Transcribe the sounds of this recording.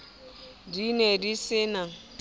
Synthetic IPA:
dinedisɪna

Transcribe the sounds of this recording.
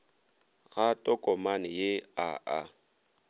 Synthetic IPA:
ɣatʼɔkʼɔmanɪjeaʔa

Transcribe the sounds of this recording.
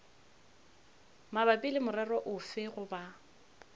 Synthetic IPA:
mabapʼilɪmʊrɛrɔʔʊfɪɣʊba

